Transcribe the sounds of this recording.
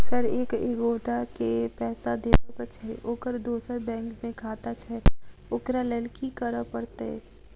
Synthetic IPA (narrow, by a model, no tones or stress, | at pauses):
səɾeːkeɡoːʈakepɛːsad̪eːpokət͡ʃʰaɦɛʔoːkəɾd̪oːsəɾbɛ̃ːŋkmẽkʰaːt̪at͡ʃʰaɛʊkɾaleːlkikəɾəpəɽt̪eɦɛ̰